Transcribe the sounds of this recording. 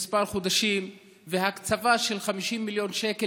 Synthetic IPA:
spaʁχod̪aʃim | veɦakt͡savaʃe̞lχamiʃimːiljo̞nʃeke

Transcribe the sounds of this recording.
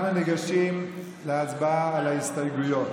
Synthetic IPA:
naneɡaʃim | leat͡sbaaalahist̪ajɡujot

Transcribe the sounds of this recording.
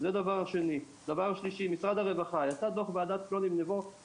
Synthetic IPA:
zead̪avaʁaʃe̞ni | d̪avaʁʃliʃimisʁad̪haʁevaχajatad̪oχbead̪at̪klonimnevo

